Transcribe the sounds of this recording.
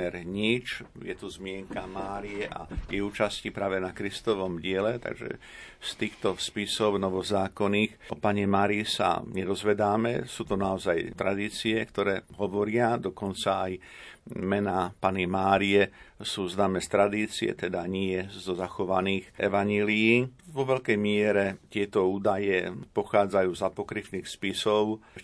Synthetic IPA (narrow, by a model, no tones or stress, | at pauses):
ɛɾɲit͡ʃjɛt̪uzmɪɛŋkamaːɾiɛʔa̰jɛuːt͡ʃascipɾaːʋɛnakɾist̪ɔʋɔmɟɪɛlɛt̪a̰ɡʒɛ̰st̪iːxt̪ɔspisɔʊnɔʋɔzaːkɔniːxʔɔpaɲɛmaːɾisa̰ɲɛd̪ɔzʋɛd̪aːmɛsuːt̪ɔnaɔzajt̪ɾad̪iːt͡siɛkt̪ɔɾɛːɦɔʋɔɾɪad̪ɔkɔnt͡saaj | mɛnapanimaːɾiɛsuːznaːmɛːst̪ɾad̪iːt͡siɛ̰t̪ɛd̪aɲɪɛzɔzaxɔʋaniːxʔɛ̰ʋaɲɛlijiːʋɔʋɛʎkɛjmɪɛɾɛt̪ɪɛt̪ɔuːd̪ajɛpɔxaːd͡zajuːzapɔkɾifniːxspisɔʊ